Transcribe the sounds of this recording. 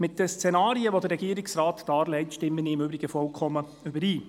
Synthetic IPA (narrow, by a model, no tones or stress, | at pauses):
mɪtdəst͡sɛnɑːɾiəʋodəɾɛɡiəɾɪksrɑːtd̥ɑːɾlɛɪtʃtɪmːəniɪmʏbɾɪɡəfɔlkʰχɔmːə | ʏbəɾiː